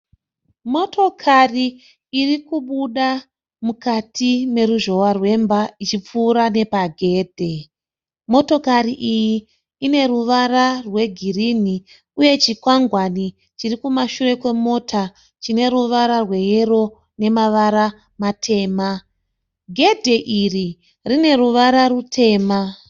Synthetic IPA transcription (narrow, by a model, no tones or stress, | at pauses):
mo̞tʰo̞kʰariː | rikuɓuɗa | mukatime̞ruʒo̞warwe̞mbait͡ʃip͡fuːɾane̞paɡʱe̞ːdʱe | mo̞to̞kariʔijiː | ne̞ruʋararwe̞ɡʱirini | uje̞t͡ʃikwaŋɡwani | t͡ʃirikumaʃure̞kwe̞mo̞tʰa | t͡ʃine̞ɾuʋaɾarwe̞ɦe̞ro̞ | ne̞maʋaɾa | matʰe̞ːma | ɡʱe̞dʱe̞ʔiri | rine̞ruʋaɾarutʰe̞ːma